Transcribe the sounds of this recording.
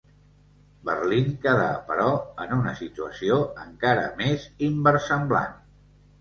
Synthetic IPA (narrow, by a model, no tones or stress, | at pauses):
bərliŋkəða̰pəɾɔənunəsit̪uəsioəŋkaɾə̰mezimbərsəmbla̰n